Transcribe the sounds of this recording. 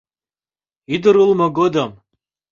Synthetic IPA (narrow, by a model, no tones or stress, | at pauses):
id̪ɨɾɨlmɐɡod̪ɐm